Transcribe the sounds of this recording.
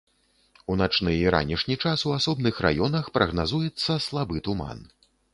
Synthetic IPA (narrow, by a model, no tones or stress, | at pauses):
unat͡ʂnɨiɾa̰nʲiʂnʲit͡ʂasuasɔbnɨxra̰jɔnɐxpɾɐɣnazujɛt̪sːɐslˠabɨt̪uma̰n